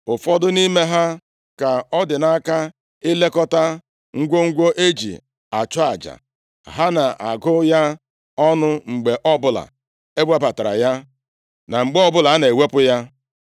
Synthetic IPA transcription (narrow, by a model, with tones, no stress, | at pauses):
ʊ˨fɔ˦dʊ˦ni˦me˦ɦa˦ | ka˨ɔ˦dɪ˨na˦ka˦ | ɪ˦le˦kɔ˦ta˦ | ŋ̩˦ɡʷo˦ŋ̩˦ɡʷo˦ʔe˦d͡ʒḭ˨ | a˨t͡ʃɔ˦a˨d͡ʒa̰˨ | ɦa˦na˨ʔa̰˨ɡʊ˦ja˦ | ɔ˦nʊ˦ŋ͡m̩˨ɡ͡be˨ʔɔ˦bʊ˦la̰˨ | e˦ɡ͡bʷa˦ba˨ta˨ɾa̰˨ja˦ | na˨ŋ͡m̩˨ɡ͡be˦ɔ˦bʊ˦la˨a˦ne˨we˦pʊ˦ja˦